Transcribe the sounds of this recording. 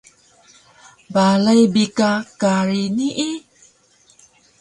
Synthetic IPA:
balajbikakaɾiniʔi

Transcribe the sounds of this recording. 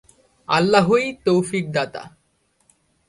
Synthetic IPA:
a̰lːaɦojt̪owfik̚d̪at̪a̰

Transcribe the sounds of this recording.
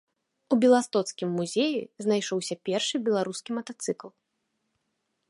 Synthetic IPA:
ubʲɛlˠast̪ɔt̪skʲimːuzʲɛjḭznajʂɔwsʲɐpʲɛrʂɨbʲɛlˠaɾuskʲimɐt̪at̪sɨklˠ

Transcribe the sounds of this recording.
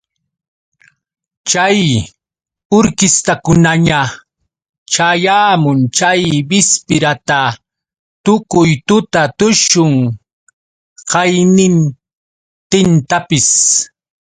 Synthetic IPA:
t͡ʃaj | ʊɾkɪst̪akʊnaɲa | t͡ʃajaːmʊnt͡ʃajbɪspɪɾat̪a | t̪ʊkʊjt̪ʊt̪at̪ʊʃʊŋ | qɑjnɪn | t̪ɪnt̪apɪs

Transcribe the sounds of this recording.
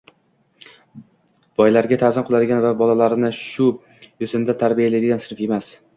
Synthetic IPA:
b̥ɒjlaɾɡʲat̪ʰazɪmqʰʊlˠad̪ɪɡʲanvabɒlalaɾnɪʃʊ | jʊsɪnd̪at̪ʰaɾbijalad̪ɪɡʲansɪnɾfje̞mas

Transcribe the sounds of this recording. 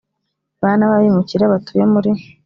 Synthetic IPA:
βanaβaβimuciɾaβatujemuɾi

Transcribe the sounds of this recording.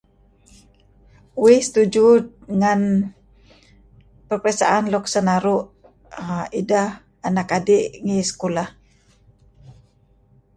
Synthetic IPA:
uihsə̥t̪ud͡ʒud̪̚ŋan | pərpɾasa̰ʔanlɔksənaɾuʔ | idah | anakadiʔŋisə̥kulah

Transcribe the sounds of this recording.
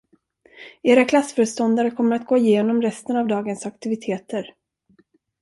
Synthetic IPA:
eːɾakʰlasːfœːɾəst̪ɔnd̪aɾəkʰɔmːəɾat̪̚ɡoːɪjeːnɔmɾɛst̪ənavd̪ɑːɡənsakt̪ɪvɪt̪ʰeːt̪əɾ

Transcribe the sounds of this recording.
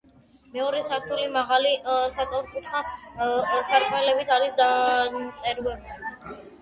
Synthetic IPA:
mɛɔɾɛsaɾt̪ʰulimaʁalisat̪ʼɔɾkʼut̪χa | saɾkʼmɛlɛbit̪ʰaɾisd̪at̪sʼɛɾwɛbi

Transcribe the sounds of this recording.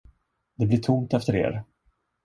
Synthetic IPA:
d̪ɛblɪʈʰʊmt̪ɛft̪əɾḛːɾ

